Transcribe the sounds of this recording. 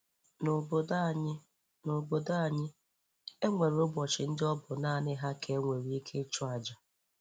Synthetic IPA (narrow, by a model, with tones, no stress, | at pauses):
no˨bo˨da˦˨ɲɪ˦ | no˨bo˨da˦˨ɲɪ˦ | e˦ŋʷe˨ɾo˦bɔ˨t͡ʃɪ˨n̩˦dɪ˦ɔ˦bʊ˨naː˦˨nɪ˦ɦa˦kʰe˦ŋʷe˨ɾi˨˦i˦kʰe˦t͡ʃɔ˦a˨d͡ʒa˨